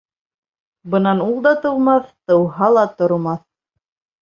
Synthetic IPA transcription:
bɤ̆nɑnulˠd̪ɑt̪ɤ̆wmɑθt̪ɤ̆wɦɑlˠɑt̪ŏɾmɑθ

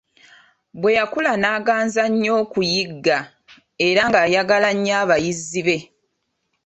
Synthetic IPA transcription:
bwe̞jakulanaːɡaːnzaɲːo̞ːkujiɡːa | e̞ɾaŋɡajaɡalaɲːaːβajizːiβe̞

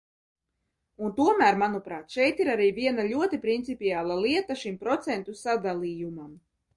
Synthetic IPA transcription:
unt̪uɔmæːɾmanupɾaːt̪ʃɛjt̪iɾaɾiːvʲiɛnaʎʲuɔt̪ipɾint̪sipiaːlˠalˠiɛt̪aʃimpɾɔt̪sɛnt̪usad̪alˠiːjumam

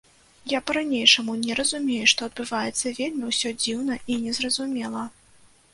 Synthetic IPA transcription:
japɐɾanʲejʂɐmunʲɛɾɐzumʲejuʂt̪ɔɐd̪̚bɨvajɛt̪sːɐvʲelʲmʲiwsʲɔd͡zʲiwnɐʔinʲɛzrɐzumʲɛlˠɐ

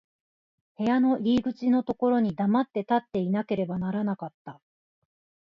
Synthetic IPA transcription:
he̞jano̞ɾʲiːɡɯ̟t͡ɕino̞t̪o̞ko̞ɾo̞ɲ̟id̪amat̪ːe̞t̪at̪ːe̞inake̞ɾe̞banaɾanakat̪ːa

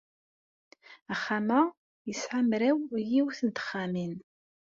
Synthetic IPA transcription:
æχːama | jəsħamɾæwjiwθənt̪ə̥χːamin

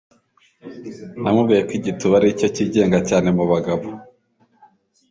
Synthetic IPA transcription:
namubβɡijekwiɟituβaɾico̞ciɟe̞ːŋɡacaːne̞muβaɡaβo

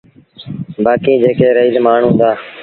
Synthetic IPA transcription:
baːkiːd͡ʒeːkʰeːɾəiːzmaːɳ̤ɦʊ̃ːnd̪aː

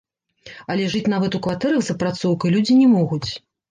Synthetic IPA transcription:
ɐlʲɛʐɨt͡sʲnavɐt̪ukvat̪ɛɾɐɣzɐpɾat̪sɔwkɐjlʲud͡zʲinʲɛmɔɣut͡sʲ

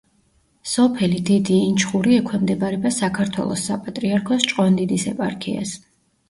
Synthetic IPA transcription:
sɔpʰɛlid̪id̪iːnt͡ʃʰχuɾiɛkʰwɛmd̪ɛbaɾɛbasakʰaɾt̪ʰwɛ̰lˠɔ̰sːapʼat̪ʼɾiaɾkʰɔst͡ʃʼqʼɔnd̪id̪isɛ̰pʼa̰ɾkʰḭa̰s

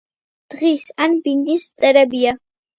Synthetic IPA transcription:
d̪̥ʁisanbind̪is̚t̪t͡s̪ʼɛɾɛbia

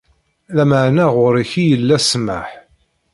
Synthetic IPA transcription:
læməʕnæʁʊɾiçijəlːæsma̰ħ

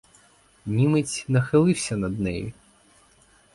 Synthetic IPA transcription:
nʲimɪt͡sʲnɐxɪlˠɪwsʲɐnɐd̪nɛjḭ

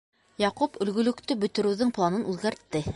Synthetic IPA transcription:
jɑqupɵ̆lɡɵ̆lɵ̆kt̪ɵbɵ̆t̪ɵ̆ɾɘ̆wðɘŋplˠanɤnʉðɡæɾt̪ːɘ

